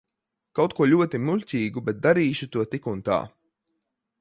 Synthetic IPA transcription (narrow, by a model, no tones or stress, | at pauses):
kawt̪̚kuɔʎʲuɔt̪imuʎʲcʲiːɡubɛt̪̚d̪aɾiːʃut̪uɔt̪ikunt̪a̰ː